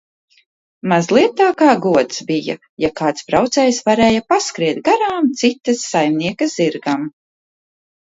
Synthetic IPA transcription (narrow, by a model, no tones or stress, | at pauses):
mazlˠiɛt̪aːkaːɡuɔt̪sbija̰ | jakaːt̪sbɾawt̪sɛjsvaɾɛːjapaskɾiɛt̪̚ɡaɾaːmt̪sit̪ɐsːajmniɛkɐzziɾɡam